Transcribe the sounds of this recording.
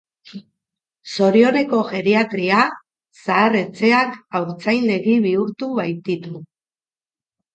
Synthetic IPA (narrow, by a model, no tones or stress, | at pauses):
so̞ɾio̞ɾe̞ko̞ʝe̞ɾiat̪ɾia | saːre̞t͡se̞akawɾt͡sajnle̞ɣiβ̞iuɾt̪uβajt̪it̪u